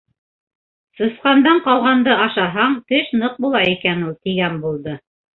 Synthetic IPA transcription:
sɤ̆sqɑnd̪ɑɴqɑlˠʁɑnd̪ɤɑʃɑɦɑɴt̪ɘʃnɤq̚bulˠɑikænulˠt̪iɡænbulˠd̪ɤ

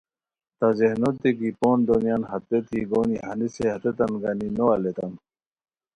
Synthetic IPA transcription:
t̪azehnot̪ːikipoːnd̪onjanɦɐt̪ːet̪ʰiɡoːniɦɐniseɦɐt̪et̪ɐnɡaninoalet̪ɐn

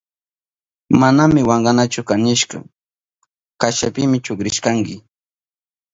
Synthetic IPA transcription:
manamɪwɑɴɢɑnat͡ʃʊkanɪʃka̰ | kaʃapɪmɪt͡ʃʊkɾɪʃkaŋkɪ

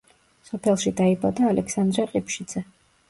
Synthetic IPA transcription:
sɔpʰɛlˠʃid̪aibad̪aːlʔɛksand̪ɾɛqʼipʃid̪zɛ

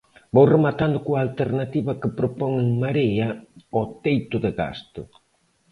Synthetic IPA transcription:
bowremat̪and̪ʊkuaːlt̪eɾnat̪iβɐkɪpɾopɔŋeŋmaɾeɐot̪ejt̪ʊðɪɣa̰st̪ʊ

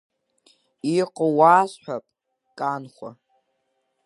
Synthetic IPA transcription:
iqʼəwaːsħʷᶣapʼ | kʼanχʷa̰

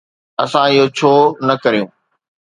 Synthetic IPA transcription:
ɐ̰sãɪɦot͡ɕʰoːnɐkɐɾijṵ̃ː

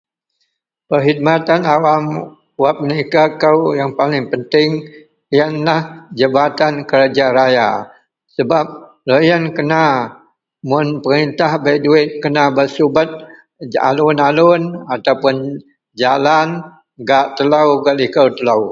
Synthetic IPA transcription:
pərɦid̪̚mat̪anawam | wap̚nikəkəwjaŋpalɪŋpənt̪ɪŋ | ijanlahd͡ʒəbat̪ankəɾad͡ʒaɾaja̰ | səbap̚ | ləjankəna | mʊnpəɾint̪ahbajduɪt̪̚kənabəsubət̪̚ | a̰lʊnalʊnat̪awpʊn | d͡ʒalan | ɡaʔt̪əlawɡaʔlikəwt̪əlaw

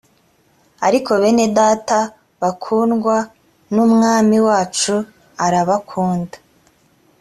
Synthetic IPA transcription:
aɾiko̞βe̞ne̞daːta | βakʰuːnɡwa | numŋaːmiwaːt͡ʃu | aɾaβakʰuːndḁ

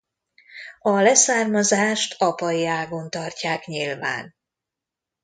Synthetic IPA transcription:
ɒlɛsaːrmɒzaːʃt̪ʰɒpɒjiaːɡo̞nt̪ɒrcaːkɲilva̰ːn

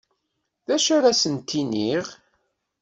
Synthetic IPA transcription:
ðæʃʊɾæsənt̪ːiniʁ

